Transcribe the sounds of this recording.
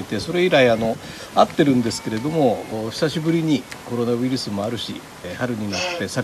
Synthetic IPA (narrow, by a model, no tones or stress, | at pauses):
t̪e̞so̞ɾe̞iɾaiano̞ | at̪ːe̞ɾɯ̟̃nd̪e̞sɨ̥ke̞ɾe̞d̪o̞mo̞ɕi̥saɕibɯ̟ɾʲiɲ̟iko̞ɾo̞naβɯ̟iɾɯ̟sɨmo̞aɾɯ̟ɕḭ | haɾɯ̟ɲ̟inat̪ːe̞sa